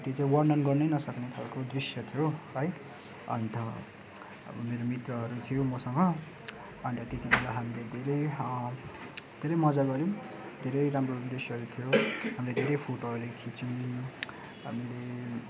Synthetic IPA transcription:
t̪it͡saĩwʌrnʌnɡʌrnʌjnʌsʌknekʰalkod̪risjʌt̪ʰijoɦʌj | ʌ̰nt̪ʌ | ʌ̰bʌmeɾomit̪rʌɦʌɾut̪ʰijomʌsʌŋɡʌ | ʌnt̪ʌt̪et̪ibʱelaɦamiled̪ʱeɾʌj | d̪ʱeɾʌjmʌd͡zaɡʌɾi | d̪ʱeɾʌjɾamrod̪risjʌɦʌɾut̪ʰijoɦamiled̪ʱeɾʌjpʰoʈoɦʌɾlajkʰit͡si | ɦa̰mile

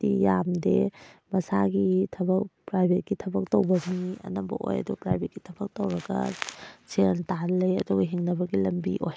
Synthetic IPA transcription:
dijamdemɐsaɡitʰɐbɐkpɾajbʱet̚ɡitʰɐbɐk̚towbɐniɐ̰nɐmbɐ̰ʔo̰jɐ̰dupɾa̰jbʱet̚ɡitʰɐbɐk̚towɾɐɡɐ̰seɾntalɐjɐ̰duɡɐɦiŋnɐbɐɡilɐmbḭʔoj

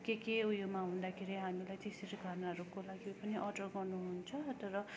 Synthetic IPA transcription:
kekeujomaɦũnd̪akʰeɾiɦamilajt̪eseɾiɡʱʌrnaʌɾukolaɡipʌniʔʌʈʌrɡʌrnuɦunt͡sʰʌt̪ʌɾʌ

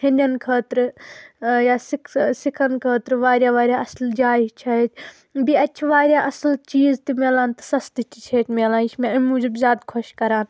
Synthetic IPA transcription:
hɪnʲɐnkʰəːt̪ɾɨ | jaːsiksikʰɐnkʰəːt̪ɾʋaːɾʲjaːʋaːɾʲjaːɐsld͡ʒaːɦt͡ʃʰɐet͡ʃ̪ʰ | biɐtːt͡ʃʰʋaːɾʲjaːʔɐslt͡ʃiːzt̪imeːlaːnt̪ɨ̥sɐst̪it͡ʃit͡ʃʰeːʈmeːlaːniʃmeɐmuːd͡ʒɐbzjaːd̪kʰɔʃkɐɾaːn

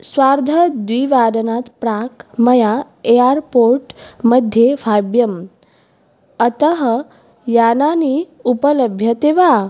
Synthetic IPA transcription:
sʋaɾd̪ʱəd̪ʋiʋaːɾənat̪pɾakmɐja | eaɾpoɾʈməd̪ʱjeʋʱabjɐm | ət̪əɦə | jananiupələbʱjɐt̪eʋa

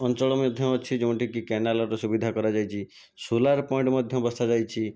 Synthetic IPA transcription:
ɔnt͡ʃɔɭɔmɔd̪ʱjɔɔt͡ʃʰid͡ʒeũɳʈikikɛnalɔɾɔsubid̪ʱakɔɾad͡ʒajt͡ʃʰi | sulaɾpɔj̃ɳʈmɔd̪ʱjɔbɔst̪ad͡ʒajt͡ʃʰi

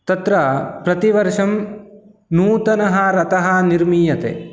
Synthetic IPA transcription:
t̪ɐt̪ɾɐpɾɐt̪iʋɐɾʂɐm | nuːt̪ɐnɐɦɐɾɐt̪ɐɦɐniɾmiːjɐt̪ḛ

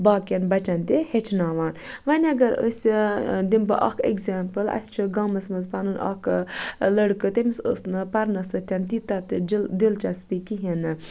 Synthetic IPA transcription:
baːkʲjɐnbɐt͡ʃɐnt̪ihet͡ʃʰnaːʋaːn | ʋɐnʲɐɡɐɾə̰sʲd̪imbɐ̰ʔa̰kʰḛkzʲaːmpɨlɐ̰st͡ʃʰɨɡɐmɐsmɐzpanɨnʔɐ̰klɐɽkɨt̪emisə̰snɨpɐɾnɐsɨt̪ʰʲjɐnt̪it̪ɐt̪ɨd͡ʒld̪ilt͡ʃaspikiɦinɨ

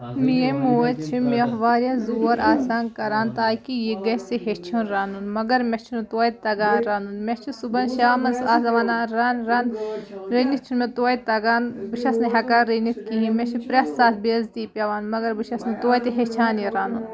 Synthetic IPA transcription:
miemuːɐt͡ʃʰimʲɐɦʋaːɾjaːzuːɐɾʔaːsaːnkɐɾaːnt̪aːkijeɡɐseɦet͡ʃʰunɾaːnunmɐɡɐɾmʲɐt͡ʃʰunut̪oːjt̪ɐɡaːnɾaːnunmʲet͡ʃʰisubɐnʃaːmɐzaːzɐʋaːnaːɾɐnɾɐnɾeːnit̪̚t͡ʃʰunmet̪oːjt̪ɐɡaːnbɨʃɐsnɐɦɐkaɾenit̪kiɦĩmet͡ʃʰipɾɐsːaːt̪ʰbeːɐzt̪iːpʲɐʋaːnmɐɡɐɾbɨʃɐsnɐt̪oːjt̪iɦet͡ʃʰaːnjeɾaːnun

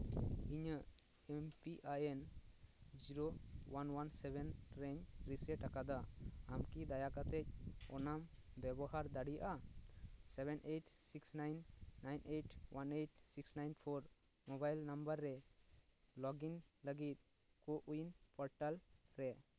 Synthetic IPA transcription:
iɲəʔ | ɛmpiʔajɛn | d͡ʒiɾowanwansɛbɛnɾɛɲɾisɛʈakad̪aamkid̪ajakat̪ɛc̚ɔ̰nambɛbɔɦaɾd̪aɽijaʔa | sɛbɛnʔeʈsiksnajnːajnʔeʈwaneʈsiksnajnpʰɔɾ | mɔbajlnambəɾːɛ | lɔɡinləɡit̪̚ | koʔujnpɔɾʈalɾɛ

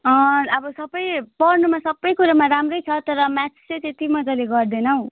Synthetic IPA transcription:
ʌʌbʌsʌbʌjpʌrnumasʌbːʌjkuɾamaɾamrʌjt͡sʰʌt̪ʌɾʌmat͡sset̪et̪imʌd͡zaleɡʌrd̪ʌnʌw

